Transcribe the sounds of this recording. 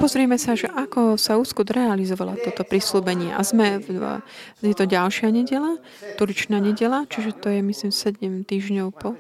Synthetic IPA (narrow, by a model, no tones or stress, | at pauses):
pɔzɾiɛmɛsaʒɛʔakɔsauːskud̪ɾɛalizɔʋala̰t̪ɔt̪ɔpɾisluːbɛɲɪɛʔa̰zmɛ | jɛt̪ɔɟalʃɪaɲɛɟɛla | t̪uɾit͡ʃnaːɲɛɟɛlat͡ʃiʒɛt̪ɔjɛmisliːmsɛɟɛmt̪iːʒɲɔʊpɔ